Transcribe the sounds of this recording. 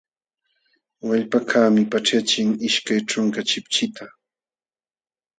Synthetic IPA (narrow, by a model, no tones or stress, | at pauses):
waʎpakʰaːmɪpaʈ͡ʂat͡ʃɪŋɪʃkajʈ͡ʂʊŋkat͡ʃɪpt͡ʃɪt̪ʰa